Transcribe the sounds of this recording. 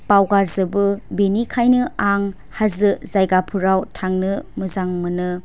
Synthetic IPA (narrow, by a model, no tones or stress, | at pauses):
pawɡaɾzɯbɯbenikʰajnɯʔaŋ | hazɯzajɡapʰuɾawtʰaŋnɯmɯzaŋmɯnɯ